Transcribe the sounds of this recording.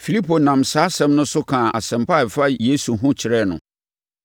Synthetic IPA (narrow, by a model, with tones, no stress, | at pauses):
fi˨li˦pʰo˨nã˨msaː˨˦sɛ̃˦mnʊ̃˦sʊ˦kʰã˨a̰˨sɛ̃˨mpa˦˨fa˦je˦su˨ɦʊ̃˦t͡ɕʰɪ˨ɾɛ˦˨nʊ̰̃˨